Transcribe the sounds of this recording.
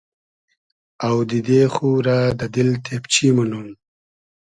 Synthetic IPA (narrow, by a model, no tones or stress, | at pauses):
awd̪id̪exuɾad̪ɐd̪ilt̪ʰept͡ɕʰimɐnun